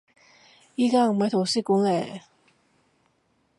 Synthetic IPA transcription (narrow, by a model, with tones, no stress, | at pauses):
i˥˩kaː˥˩˨ma˨˧˥t̪ʰo˨˩si˥˩ku˧˦ŋlɛː˨˩